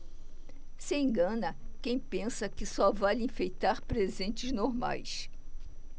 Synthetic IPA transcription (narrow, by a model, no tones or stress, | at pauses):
sɪẽɡɐ̃nɐkẽj̃pẽsɐkɪsɔvalĩfejt̪aɾpɾezẽnt͡ʃɪznoɾma̰js